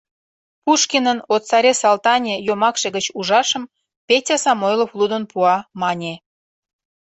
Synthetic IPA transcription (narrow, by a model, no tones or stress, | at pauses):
puʃkʲinənot̪sɑɾʲesɑlt̪ɑnʲejomɑkʃĕɣət͡ɕuʒɑʃə̆m | pʲetʲɑsɑmojloflˠud̪ənpuɑmɑnʲe